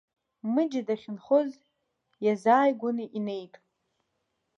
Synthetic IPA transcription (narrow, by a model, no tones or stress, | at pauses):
mɨd͡ʒadaχʲɪnχoz | jazaːjɡʷʊnɨʔine̞jtʼ